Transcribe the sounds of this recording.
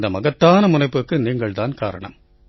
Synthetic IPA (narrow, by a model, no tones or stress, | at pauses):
d̪ɐmɐɣɐt̪ːaːnɐmʊnɐɪpːɯkːɯniːŋɡɐɭt̪aːnka̰ːɾɐ̰ɳɐ̰m